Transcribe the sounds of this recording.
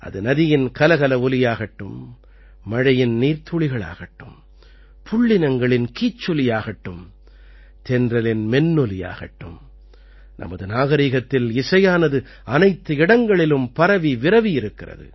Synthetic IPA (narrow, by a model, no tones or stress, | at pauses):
ʔɐ̰ðɯnɐðɪjɪnkɐlɐɣɐlɐʊlɪjaːɣɐʈːɯ̰mː | ɐɻɐjɪnniːɾt̪ʊɭɪɣɐɭa̰ːɣɐʈːɯm | pʰʊɭːɪnɐŋɡɐɭɪnkiːt͡ʃːɔlɪjaːɣɐʈːɯm | t̪ɛndrɐlɪnmɛnːɔlɪja̰ːɣɐʈːɯm | nʔɐ̰mɐðɯnaːɣɐɾiːɣɐt̪ːɪlɪsɐjaːnɐðɯ | ɐnɐɪt̪ːɯɪɽɐŋɡɐɭɪlɯmpɐɾɐʋiʋɪɾɐʋijɪɾɯkːɪrɐ̰ðɯ̰